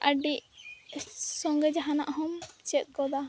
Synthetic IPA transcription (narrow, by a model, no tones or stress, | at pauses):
ʔəɖiʔ | sɔŋɡɛd͡ʒaɦanaʔɦɔmt͡ʃɛt̪̚ˀɡɔd̪a